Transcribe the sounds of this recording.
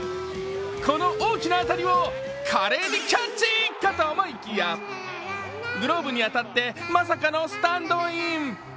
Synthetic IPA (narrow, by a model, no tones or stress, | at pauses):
ko̞no̞ʔoːkʲinaat̪aɾʲiβo | kʰaɾe̞ːɲikʲat͡ɕikːat̪omoikʲija | ɡɯ̟ɾo̞ːbɯ̟ɲ̟iat̪at̪ːe̞mas̬akano̞sɨ̥t̪ãnd̪o̞ĩm